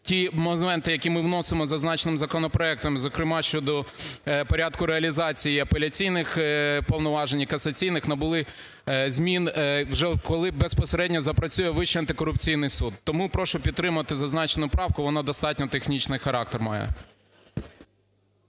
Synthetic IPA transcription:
tʲimɔmɛnt̪ɪjɐkʲimɪʋn̪ɔsɪmɔzɐznɑt͡ʃenɪmzɐkɔnɔpɾɔɛk̚t̪ɐmzɔkɾɪmɑʃt͡ʃɔd̪ɔpɔɾʲɑd̪kʊɾeɐlʲizɑt͡sʲijiɐpelʲɐt͡sʲijnɪxpɔwnɔʋɑʒenʲikɐsɐt͡sʲijnɪxnɐbʊlˠɪ | zʲmʲinʋʒɛkɔlˠɪbespɔseɾɛdʲnʲɔzɐpɾɐt͡sʲujɛʋɪʃiɐnt̪ɪkɔɾʊpt͡sʲijn̪ɪjsud̪ːɔmupɾɔʃɔpʲid̪̚t̪ːɾɪmʊʋɐt̪ɪzɐznɑt͡ʃenʊpɾɑwkʊʋɔnɑd̪ɔst̪ɑt̚ʲnʲɔt̪exnʲit͡ʃnɪjxɐɾɑk̚t̪ermɑ̰jɛ̰

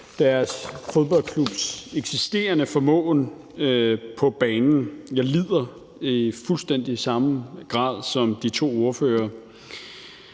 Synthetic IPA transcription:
d̥æɐsfoð̞ˠb̥ɒ̽l̰kʰlub̥seɡ̥sisd̥e̝̰ːɐnəfɒ̽mɔ̰̽ːn | pʰɒ̽b̥ɛːnn̩jɑ̈lið̰ˠɐ | ifulsd̥en̰d̥isɑ̈mɡ̥ʁɑ̰̈ːðˠsɒ̽md̥it͡sʰo̝̰ːo̝ɐføːɐ

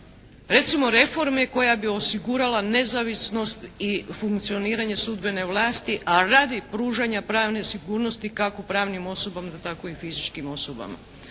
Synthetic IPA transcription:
ɾe̞t̪simo̞ɾe̞fo̞ɾme̞ko̞jabio̞siɡuɾalane̞zaʋisno̞st̪ifuŋkt̪sio̞niːɾaɲe̞sud̪be̞ne̞ʋlˠaːst̪iʔaɾad̪ipɾuːʒaɲapɾaːʋne̞siɡuːɾno̞st̪ikakopɾaːʋnimo̞so̞bamad̪at̪ako̞ifizit͡ʃkimo̞soba̰ma̰

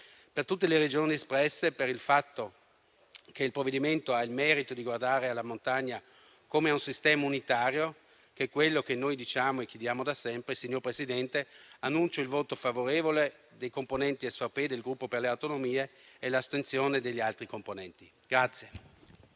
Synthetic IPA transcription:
pert̪ut̪̬ːeleɾed͡ʒoːniespɾɛsːepeɾilfat̪ːo | k̟eilpɾovːed̪iment̪oailmɛːɾit̪od̪iɡward̪aːɾealːamont̪aɲːa | komeaunsist̪ɛːmaunit̪aːɾjo | kekwelːokenːojd̪it͡ʃaːmoekːjed̪jaːmod̪asɛmpɾesiɲːorpɾesid̪ɛnt̪eanːunt͡ʃoilvoːt̪ofavoɾeːvoled̪ejkomponɛnt̪iesfaped̪elɡɾupːoperleawt̪onomiːeːlast̪ent̪sjoːned̪eʎːialt̪ɾikomponɛnt̪i | ɡ̥ɾat̪sːje

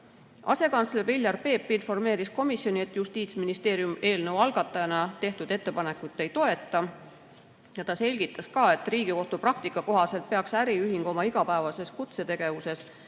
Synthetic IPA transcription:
ʔɑ̰se̞kɑnt̪slebilʲjɑrpe̞ːpːinfo̞rme̞ːɾisko̞misjo̞nie̞t̪ːˑjust̪iːt̪sminist̪e̞ːɾjume̞ːlnɤvwɑlɡ̥ɑt̪ːˑɑjɑnɑt̪e̞ht̪ud̪̥e̞t̪ːe̞pɑne̞kːˑut̪ːˑe̞jt̪o̞e̞t̪ːˑɑ | jɑt̪ɑse̞lʲɡit̪ːˑɑskɑːe̞t̪ːriːɡ̥iko̞ht̪uprɑk̚t̪ikːˑɑko̞ɦɑse̞lt̪̚pe̞ɑksæɾiyɦiŋɡ̥o̞mɑiɡ̥ɑpæevɑse̞skut̪se̞t̪e̞ɡ̥e̞vuse̞s

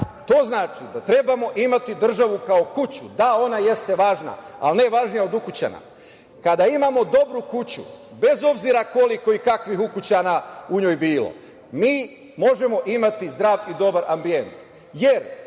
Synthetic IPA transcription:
t̪oːznaːt͡ʃid̪at̪ɾe̞bamo̞ʔimat̪id̪r̩ʒaʋukao̞kut͡ɕud̪ao̞naje̞st̪e̞ʋaːʒna̰a̰lne̞ʋaʒnijaod̪ukut͡ɕa̰na̰ | kad̪aimamo̞d̪o̞bɾukut͡ɕṵ | be̞zo̞bziɾako̞liko̞ikakʋixukut͡ɕanauɲoːjbiːlo̰ | miː | mo̞ʒe̞mo̞ʔimat̪izd̪ɾaːʋid̪o̞baɾʔambie̞nt̪ | je̞ɾ

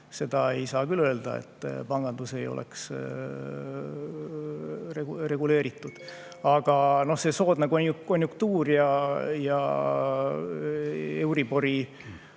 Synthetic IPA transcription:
se̞d̪̥ɑe̞jsɑːkylø̞ːld̪̥ɑḛt̪ːpɑŋɡ̥ɑnd̪̥use̞jo̞̰lḛks | rere̞ɡ̥ule̞ːɾit̪ːˑud̪̥ | ɑɡ̥ɑno̞hse̞so̞ːd̪̥nekonuko̞nʲjukt̪uːrjɑjɑ̰ | e̞wɾibo̞ɾi

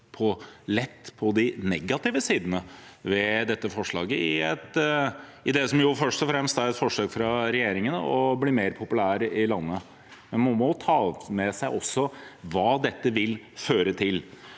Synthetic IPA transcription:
pʰɔlɛt̪ːpʰɔd̪ɪnɛɡɑt̪ɪʋəsiːd̪ənəʋɛd̪ɛt̪ːəfɔʂɭɑ̰ːɡəɪɛt̪ | ɪd̪ɛsɔmjʊfœʂt̪ɔfɾɛmst̪æɾɛt̪fɔʂøːkfɾɑɾɛjeːɾɪŋənə̰ɔbliːmeːɾpʰʊpʉlæːɾəʔɪlɑnːə | mɛnmɑnmɔt̪ʰɑːmɛsæɪʔɔsːɔʋɑːd̪ɛt̪ːəʋɪl | føːɾət̪ʰɪl

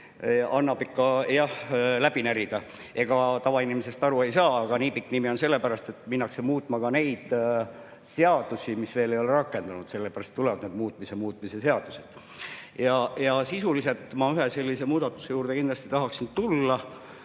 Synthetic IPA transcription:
ɑnːɑbikːɑjɑhlæb̥inæɾid̪̥ɑ | ʔe̞ɡ̥ɑt̪ɑvɑinimise̞st̪ɑɾue̞jsɑːɑɡ̥ɑniːpikːˑnimio̞nse̞lːe̞pæɾɑst̪e̞t̪ːˑminːɑksemuːt̪ːˑmɑkɑne̞jd̪̥ | se̞ɑd̪̥usimisve̞ːlejo̞leɾɑkːˑe̞nd̪̥ɑnud̪se̞lːepæɾɑst̪ːulɛvɑd̪ned̪̚muːt̪̚ˑmisemuːt̪ˑmise̞se̞ɑd̪̥u̥se̞d̪̥ | jɑjɑsisulise̞lt̪ːˑmɑyɦese̞lʲːise̞muːd̪̥ɑt̪ːˑu̥se̞juːrd̪e̞kind̪lɑst̪i̥t̪ɑɦɑksint̪ulːɑ

